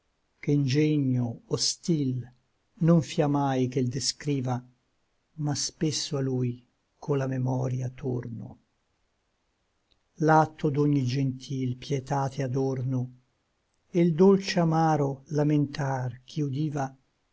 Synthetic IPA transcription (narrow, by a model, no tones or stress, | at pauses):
keind͡ʒɛɲːoost̪il | noɱfiamajk̟eld̪eskɾiːva | maspesːoaluj | kʰolamemɔːɾjat̪ʰːo̰rno̰ | lat̪ʰːod̪oɲːid͡ʒent̪ʰilpjɛt̪aːt̪ʰead̪orno | eld̪olt͡ʃeamaːɾolament̪ark̟ʰiud̪iːva